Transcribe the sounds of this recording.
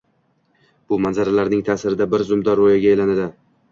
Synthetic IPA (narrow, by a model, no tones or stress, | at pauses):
b̥ʊmanzaɾalaɾnɪŋt̪ʰaːsɪɾɪd̪abɪɾzʊmd̪ɒɾːojaɡʲaelanad̪ɪ